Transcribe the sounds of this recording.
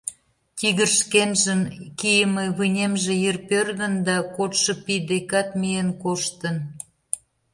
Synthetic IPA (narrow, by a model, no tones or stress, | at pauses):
t̪ʲiɣərʃkenʒəmkijəmeβɯnʲemʒĕjerpørdə̆nd̪ɑkot̪ʃɤ̆pid̪ekɑt̪mijenkoʃt̪ən